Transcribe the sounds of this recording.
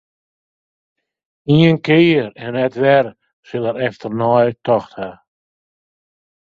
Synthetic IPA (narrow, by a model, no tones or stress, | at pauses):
iənkejəɾɛnnɛtʋɛr | sɪlˠəɾɛftərnɔjtɔxtha